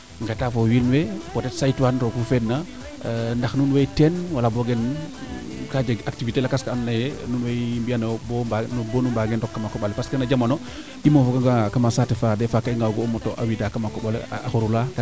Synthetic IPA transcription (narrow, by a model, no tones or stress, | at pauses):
ŋɡatafowinwepotɛtsajtwanɾokufenːa | ndaxnunwetɛnwalaboɡen | kad͡ʒeɡak̚tivitelakaskaanːajenunwembijanaboanbonumbaɡendɔkːamakɔɓalpaskənad͡ʒamano | imafokaŋɡakamasatefadɛfakaiŋɡawɡoːmotoʔa̰widakamakɔɓal̰axuɾulak